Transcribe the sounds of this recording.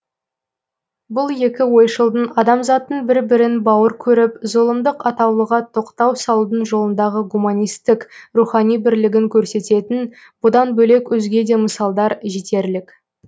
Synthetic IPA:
bʊlˠje̞kʲɪwo̞jʃəlˠd̪ənɑd̪ɑmzɑt̪ːəŋbɪɾbɪɾɪnbɑwəɾkʲʰɵɾɪpzolˠəmd̪əqɑt̪ɑwlˠəʁɑt̪ʰo̞qt̪ɑwsɑlˠud̪ənʒo̞lˠənd̪ɑʁəɡumanʲijst̪ɪkruχɑnijbɪɾlɪɡʲɪŋkʲʰɵɾse̞t̪e̞t̪ɪn | b̥ʊd̪ɑnbɵle̞kwɵzɡʲe̞d̪e̞məsɑlˠd̪ɑɾʒet̪e̞ɾlɪk

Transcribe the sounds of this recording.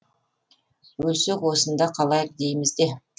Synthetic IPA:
wɵlsekwosənd̪ɑqʰɑlˠɑjəq̚d̪e̞jmɪzd̪e̞

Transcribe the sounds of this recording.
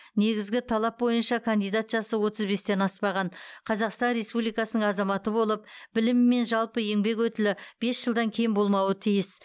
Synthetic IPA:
ne̞ɡʲɪzɡʲɪt̪ʰɑlˠɑp̚bo̞jənʃɑkʰand̪ijd̪at̪ʒjɑsəwo̞t̪əzbe̞st̪e̞nɑspɑʁɑnqʰɑzɑqst̪ɑnɾe̞spublijkɑsənəɴɑzɑmɑt̪əbo̞lˠəp̚b̥ɪlɪmːe̞nʒɑlˠpəe̞ŋbe̞kwɵt̪ɪlɪb̥e̞sʒəlˠd̪ɑŋkʲʰejɪmbo̞lˠmɑwət̪ʰijɪs

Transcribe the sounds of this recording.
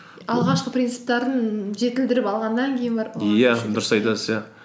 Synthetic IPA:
ɑlˠʁɑʃqəprʲint̪sɨ̥p̚t̪ɑɾənʒe̞t̪ɪld̪ɪɾɪpɑlˠʁɑnd̪ɑŋkʲʰe̞jɪnbɑɾjæd̪ʊɾəsɑjt̪ɑsəzja

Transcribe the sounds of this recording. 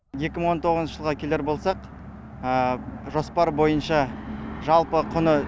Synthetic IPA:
je̞kʲɪməɴwo̞nt̪ʰo̞ʁəznəʒəlˠʁɑkʲʰe̞le̞ɾbo̞lˠsɑq | əʒo̞spɑɾbo̞jənʃɑʒɑlˠpəqʰʊnə

